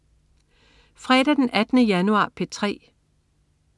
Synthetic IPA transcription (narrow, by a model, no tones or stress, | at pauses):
fʁɛ̰ɾ̥æd̥enʔæd̥ənəjænuɑ̈ːpʰet͡sʰʁɛ̰ː